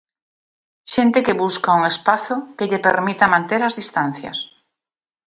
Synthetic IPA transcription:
ʃent̪ɪkɪβuskauŋespaθʊkeʎepeɾmit̪amãnt̪eɾazðist̪ãn̟θjɐ̰s

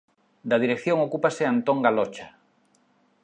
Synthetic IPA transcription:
d̪að̞iɾekθjõŋokupaseant̪oŋɡalot͡ʃa

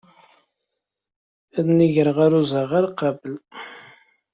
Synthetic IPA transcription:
æðniʝəɾəʁaɾuzˤəʁaɾqɑbəl

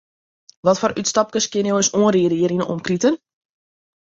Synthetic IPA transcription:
ʋɔtfɔrytstɑp̚kəskjɪnjoəsoənriədiəɾinəʔɔ̰mkritən

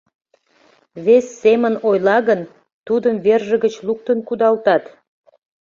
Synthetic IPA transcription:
βesːemənojlɑɣən | t̪ud̪əmβerʒəɣət͡ɕluk̚t̪ənkud̪ɑlt̪ɑt̪

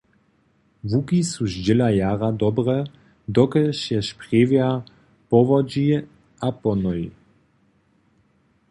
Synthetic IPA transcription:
vukisuʒd͡ʑɛlajaːʁad̪ɔbʁɛ | d̪ɔkɛʃjɛʃpʁeːvja | pɔvɔd͡ʑi | ʔapɔnɔji

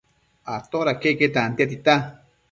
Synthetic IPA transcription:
at̪oɾakeket̪aant̪iat̪̬it̪a

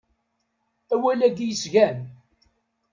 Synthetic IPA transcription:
æwælæɡjəsʝæn

